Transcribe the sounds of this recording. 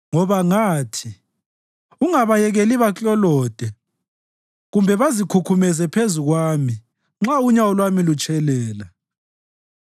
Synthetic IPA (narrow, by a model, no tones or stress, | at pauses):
ŋɔβaŋaːtʰi | uŋaβajɛɣeliβat͡ɬʼɔlɔːd̥ʱɛ | ɣumbʱɛβazikʰukʰumɛzɛpʰezuɣwaːmi | ŋ͡ǁauɲawɔlwamilut͡ʃʼʰɛlɛːla